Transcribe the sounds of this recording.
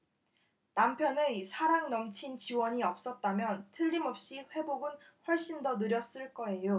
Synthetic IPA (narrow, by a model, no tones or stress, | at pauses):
nampʰjʌnɯisʰaɾaŋnʌmt͡ɕʰint͡ɕiwʌɲiʌp̚s͈ʌt̚t͈amjʌntʰɯʎːimʌp̚ɕ͈iɸwe̞boɡɯn | ɸwʌɭɕ͈indʌnɯɾjʌs͈ɯɭk͈ʌe̞jo